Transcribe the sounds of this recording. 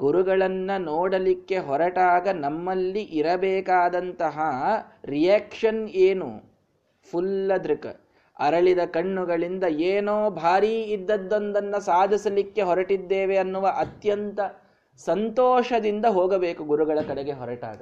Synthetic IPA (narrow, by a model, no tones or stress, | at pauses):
ɡuɾuɡɐɭɐnːɐnoːɽɐlikːe̞ɦɔɾɐʈaːɡɐnɐmːɐlːiʔiɾɐbɛːkaːd̪ɐnt̪ɐɦɐɾijaːkʂɐneːnṵ | pʰulːɐd̪ɾukɐ̰ | ɐ̰ɾɐɭid̪ɐkɐɳːuɡɐɭind̪ɐeːnoːbʱaːɾiːd̪ːɐd̪ːond̪ɐnːɐsaːd̪ʱisɐlikːe̞ɦɔɾɐʈid̪ːeːʋeɐnːuʋɐʔɐt̪jɐnt̪ɐ | sɐnt̪ɔːʂɐd̪ind̪ɐɦoːɡɐbeːkuɡuɾuɡɐɭɐkɐɽeɡe̞ɦɔɾɐʈa̰ːɡɐ